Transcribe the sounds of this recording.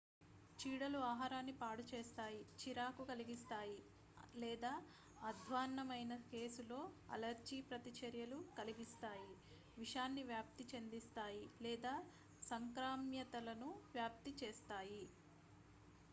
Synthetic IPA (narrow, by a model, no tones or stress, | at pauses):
t͡ʃiːɽɐluaːɦaːɾaːnːipaːɽut͡ʃeːst̪aːjit͡ʃiɾaːkukɐliɡist̪aːji | lɛːd̪aː | ɐd̪ʱʋaːnːɐmɐjnɐke̞ːsulo̞ːɐ̰lɐɾd͡ʒipɾɐt̪it͡ʃɐɾjɐlukɐliɡist̪aːji | ʋiʂaːnːiʋjaːp̚t̪it͡ʃend̪ist̪aːjilɛːd̪aː | sɐŋkɾaːmjɐt̪ɐlɐnuʋjaːp̚t̪it͡ʃeːst̪aːji